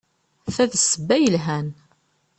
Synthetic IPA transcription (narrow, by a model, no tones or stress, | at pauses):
θæðsəbːæjəlɦæn